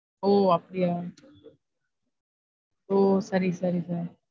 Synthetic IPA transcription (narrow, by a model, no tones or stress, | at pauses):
oapɽia | oːsɐɾisɐɾisaɾi